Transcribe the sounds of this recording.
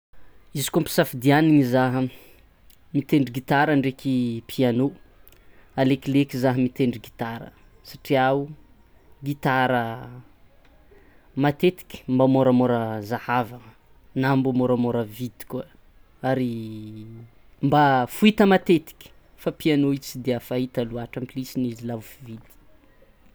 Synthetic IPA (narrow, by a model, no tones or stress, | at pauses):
izi̥kumpi̥safid̪ianiŋizaɦə | mit̪eɳɖ͡ʐiɡit̪aɾaɳɖ͡ʐekʲipʰiano | aleklekizaɦəmit̪eɳɖ͡ʐiɡit̪aɾə̰ | saʈ͡ʂiau | ɡit̪aɾə | mat̪et̪i̥kʲi̥mbamoɾəmoɾəzahavə | nambumoɾamoɾəvid̪i̥kua | aɾi | mbafuit̪əmat̪et̪i̥kʲi̥ | fapianoit͡sid̪eafaɦit̪aluaʈ͡ʂampilisinizilavufuvid̪i̥